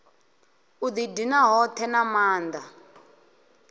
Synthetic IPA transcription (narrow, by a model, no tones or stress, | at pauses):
ud̪idinaɦɔtʰɛnamaːnd̪a